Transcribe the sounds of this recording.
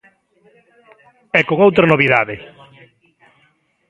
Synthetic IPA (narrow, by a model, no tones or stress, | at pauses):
ɛkoŋowt̪ɾanoβiðaðɪ